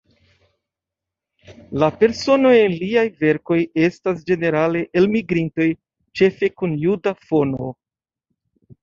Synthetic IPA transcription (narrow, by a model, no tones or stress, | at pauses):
lape̞ɾso̞no̞jenliajve̞ɾko̞je̞stas̬d͡ʒe̞ne̞ɾale̞ʔelmiɡɾinto̞j | t͡ʃe̞fe̞kunjudafo̞no̞